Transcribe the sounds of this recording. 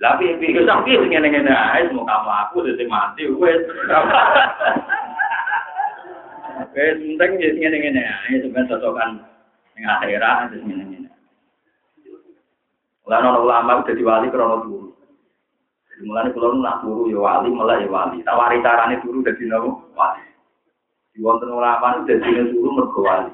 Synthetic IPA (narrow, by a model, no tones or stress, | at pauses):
lapipikesaŋkisŋenɛŋeneaesəmɔkamaakud̪esemant̪iuweɾa | kesmənt̪ɛŋesŋenɛŋeneaesubaasɔsɔkan | ɪŋaxeɾadesŋenɛŋenea | mulanɔnɔkəlamawid̪̥äd̪̥i̤walikəɾɔnɔsuɾu | d̪̥ad̥̪i̤mulanekulɔnula̰ʔt̪uɾujɔwa̰liməlahjɔwa̰lḭt̪a̰ʔwaɾit͡ʃaɾanet̪uɾud̪̥a̤d̪̥i̤nɔwuwa̰li | d̪̥i̤wɔnt̪ənkəlamaned̪̥ad̪̥i̤nesuɾumərɡ̥ɔ̤wali